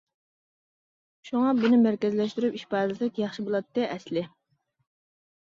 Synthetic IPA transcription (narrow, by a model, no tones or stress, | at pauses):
ʃuŋɑbunɪmæɾkʲɛzlɛʃt̪yɾypiʃpɑɾlɨsɛkʲjɑχʃibolˠɑt̪ːɨʔɛslɪ